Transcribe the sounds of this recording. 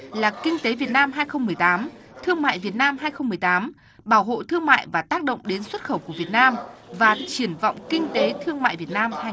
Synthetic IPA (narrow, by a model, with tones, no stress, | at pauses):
laː˨˩kï˧ŋ̟t̪e˨˦vi˨˩ət̚naː˧mɦaː˧jxə˧wŋ͡mmɨ˨˩əjt̪aː˨˦mt̪ʰɨ˧əŋma̰ː˧˨jvi˨˩ət̚naː˧mɦaː˧jxə˧wŋ͡mmːɨ˨˩əjt̪aː˨˦m | ɓaː˧˩wɦo̰˧˨t̪ʰɨ˧əŋma̰ː˧˨jvaː˨˩t̪aː˦˥k̚ɗə̰˧˨wŋ͡mɗe˨˦nswə˦˥t̚xə˧˩wku˧˩əvi˨˩ət̚naː˧mvaː˨˩t͡ɕi˧˩ənvɔ̰˧˨wŋ͡mkï˧ŋ̟t̪e˨˦t̪ʰɨ˧əŋma̰ː˧˨jvi˨˩ət̚naː˧mh